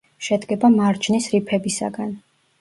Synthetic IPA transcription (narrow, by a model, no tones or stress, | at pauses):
ʃɛd̪ɡɛbamaɾt͡ʃʰnisɾipʰɛbisa̰ɡan